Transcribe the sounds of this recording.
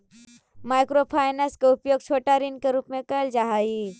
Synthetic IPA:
maːjkɾopʰaːjnɐskeupjoːɡ̚t͡ʃʰoːʈaɾinkeɾuːpmẽkəld͡ʒaɦai

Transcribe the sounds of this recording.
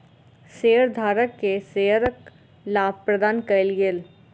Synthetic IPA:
seːəɾd̪ʱaːɾəkːeseːəɾək | laːb̚pɾəd̪aːnkɐɪlɡel

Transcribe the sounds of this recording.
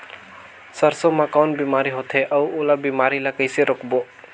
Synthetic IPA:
səɾsomãkawnbimaɾiɦot̪ʰeʔawolabimaɾilakəjseɾɔkʰbo

